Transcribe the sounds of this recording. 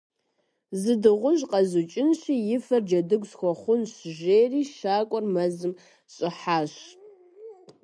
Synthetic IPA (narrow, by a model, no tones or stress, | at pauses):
zɨdɨʁʷʊʒqɐzut͡ʃʼɪnɕiːjɪfɐrd͡ʒɐdɨɡʷsxʷɔχʷʊnɕʒeːriːʃaːkʷʼɔrmɐzɨm | ɕʼɪħaːɕ